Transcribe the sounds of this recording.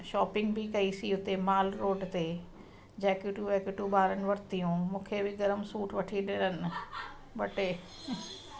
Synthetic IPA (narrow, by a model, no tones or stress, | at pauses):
ʃɔːpɪ̃ŋɡbʱɪkɐisiɦʊt̪emaːlɾoːɖt̪e | d͡ʑɛːkjʊʈuʋɛːkʊʈubaːɾənɪ̆ʋɐɾt̪ijũmũːkʰebɪɡɐɾəmsuːʈʋɐʈʰiɗɪɾənɪ̆ | bɐʈe